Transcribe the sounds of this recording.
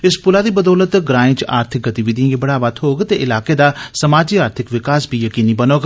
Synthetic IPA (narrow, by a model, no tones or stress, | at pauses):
ɪspʊlaːd̪iːbəd̪ɔːlət̪ɡɾaːĩt͡ʃaːɾt̪ʰɪk̚ɡət̪iːʋid̪ʱĩːɡibəɽaːʋət̪ɦoːɡt̪eʔɪlaːkeːd̪aːsəmaːd͡ʒiːaːɾt̪ʰɪkʋɪkaːsbʱiːjəkiːniːbənoːɡ